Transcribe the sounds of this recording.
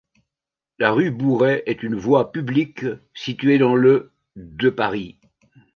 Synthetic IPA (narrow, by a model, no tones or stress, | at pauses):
laʁybuʁɛʔɛt̪ynvwapybliksit̪ɥed̪ɑ̃lə | d̪əpaʁi